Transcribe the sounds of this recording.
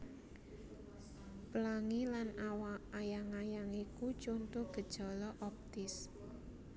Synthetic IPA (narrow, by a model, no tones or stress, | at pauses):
pəlaŋilanawaːjaŋajaŋikut͡ʃont̪ʊɡ̥ə̤d̥ʒ̥ɔ̤lɔʔɔp̚t̪ɪs